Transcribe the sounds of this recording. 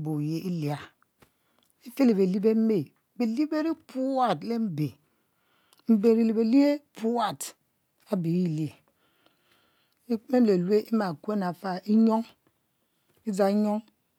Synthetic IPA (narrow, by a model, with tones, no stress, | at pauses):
bo˨je˨ʔi˦li˨a˨ | i˦fe˦li˨be˨li˦be˦m̩˦me˦˨ | be˨li˦be˦ɾi˦pu˦wa˦˨tle˦m̩˦be˨ | m̩˦be˨ɾi˦li˨be˨li˦e˦pu˦wa˦˨t | a˦bi˨˦i˦le˨ | i˦k͡pme˦le˨le˦ʔi˦ma˨kʷe˦na˨fa˦i˦ɲo˦ŋ | i˦za˨i˦ɲo˦ŋ